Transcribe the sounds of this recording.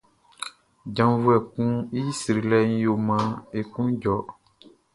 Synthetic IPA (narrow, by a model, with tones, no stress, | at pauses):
d͡ʒã˨mvu˦ɛ˨kũ˦i˦si˨ɾi˨lɛ˦ɲ̩̃˦jo˨mã˦e˨kũ˦d͡ʒɔ˨